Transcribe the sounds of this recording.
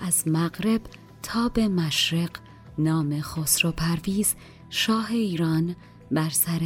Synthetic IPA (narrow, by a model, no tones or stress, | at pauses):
æzmæɣɾe̞b̥ | t̪ʰɒːbe̞mæʃɾe̞ɢ | nɒːme̞xosɾopʰæɾviːz | ʃɒːɦe̞iːɾɒːn | bæɾsæɾ